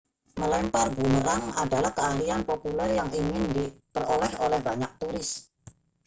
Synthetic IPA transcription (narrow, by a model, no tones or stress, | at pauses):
məlɛmparbuməɾaŋada̤lahkəahlianpopulɛrjaŋiŋɪndipərolɛholɛhbaɲak̚t̪uɾɪs